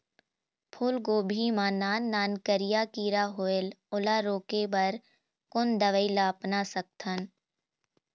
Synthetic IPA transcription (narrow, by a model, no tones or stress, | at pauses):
pʰʊlɡoːbʱimaːnaːnːaːnkəɾɪjakiːɾaɦoelʊlaɾoːkebɐɾ | kʊnd̪əʋəilaːpnasək̚t̪ʰən